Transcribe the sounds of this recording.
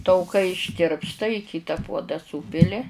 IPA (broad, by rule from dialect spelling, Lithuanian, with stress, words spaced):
tɐʊˈkɐɪ ɪʃʲˈtʲɪrpstɐ ɪ ˈkʲiːtɐ ˈpuɔdɐ ˈsuːpʲɪlʲɪ